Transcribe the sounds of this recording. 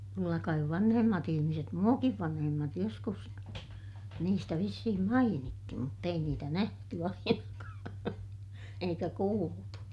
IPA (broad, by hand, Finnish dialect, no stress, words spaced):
kylːæ kɑiʋ ʋɑnhemːɑt ihimiset muɑkiʋ ʋɑnhemːɑt joskus niːstæ ʋisːihim mɑinitːi mutː ei niːtæ næhty ɑinɑkɑː eikæ kuːltu